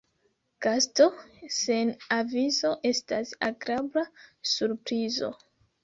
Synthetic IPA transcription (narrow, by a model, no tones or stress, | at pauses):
ɡ̥asto̞senavizo̞ʔe̞stasa̰ɡɾablasuɾpɾizo̞̰